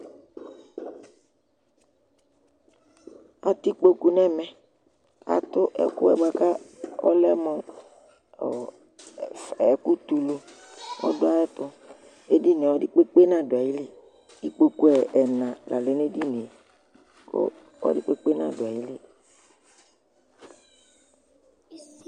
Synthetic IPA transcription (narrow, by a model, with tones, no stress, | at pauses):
a˨t̪i˦k͡po˦ku˨nɛ˦mɛ˨ | a̰˨t̪ʊ˦ʔɛ̰˨kʊ̰˦ɛ̰˨ɡ͡ba˨ka˦ɔ̰˦lɛ˦mɔ̰˨ | fɛ˨ku˦t̪u˨lo˨ | ɔ̰˦dʊ˦a˦ɛ˦t̪ʊ˦ | e˦di˦ne˨ɔ˦di˦k͡pe˦k͡pe˦nã˦˨dʊ˨a˨ji˦le˦ | i˦k͡po˨ku˦ɛ˨ʔɛ˨nã˨la̰˨le˨˦ne˦di˦ne˨ | ko̰˦ | ɔ̰˦dɪ˦k͡pe˦k͡pe˦nã̰˦dʊ˨a˨ji˦lɪ˦